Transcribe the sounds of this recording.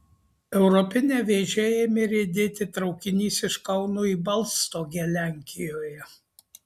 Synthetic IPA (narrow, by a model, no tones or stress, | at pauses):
ɛʊɾɔpʲɪnʲeːʋʲeːʒʲejɛmʲɪɾʲed̪ʲeːt̪ʲɪt̪ɾɒʊkʲɪnʲiːsɪʃkɐʊnuːiːbɐlˠst̪oːɡʲɛlʲæˑŋʲkʲɪjoːjɛ